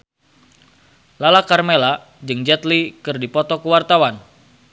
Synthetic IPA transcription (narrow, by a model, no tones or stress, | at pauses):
lalakarmela | d͡ʒɨŋd͡ʒɛt̪likɨrdipɔt̪ɔkəwart̪awan